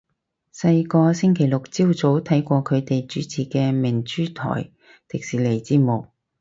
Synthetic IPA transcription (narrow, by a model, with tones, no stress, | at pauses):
sɐ˧jkɔː˧sɪ˥ŋkʰe˨˩jlʊ˨k̚t͡si˥wt͡so˨˥wt̪ʰɐ˨˥jkʷɔː˧kʰɵ˨˧t̪e˨jt͡ʃyː˨˥t͡sʰiː˨kɛː˧mɪ˨˩ŋt͡ʃyː˥t̪ʰɔ̰ː˨˩j | t̪ɪ˨k̚siː˨˩le˨˩jt͡siː˥mʊ˨˩k̚